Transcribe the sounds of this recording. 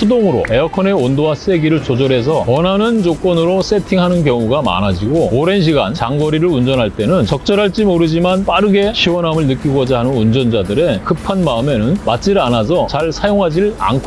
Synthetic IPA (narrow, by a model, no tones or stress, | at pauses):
sʰudoŋɯɾo̰e̞ʌkʰʌne̞ondowas͈e̞ɡiɾɯɭt͡ɕod͡ʑʌɾe̞s̬ʰʌwʌnanɯnt͡ɕok͈wʌnɯɾos͈ʰe̞tʰiŋɦanɯnkjʌŋuɡama̰nad͡ʑiɡooɾe̞nɕ̬ʰiɡa̰nt͡ɕaŋɡʌɾiɾɯɾund͡ʑʌnɦaɭt͈enɯnt͡ɕʌk̚t͡ɕ͈ʌɾɦaɭt͡ɕ͈imoɾɯd͡ʑimanp͈aɾɯɡe̞ɕʰiwʌnɦamɯɭnɯk͈iɡʌd͡ʑaɦanɯnund͡ʑʌnd͡ʑadɯɾe̞kɯpʰanmaɯme̞nɯnmat͡ɕ͈iɾanas̬ʰʌt͡ɕaɭsʰajoŋɦad͡ʑiɾɯɭa̰nkʰo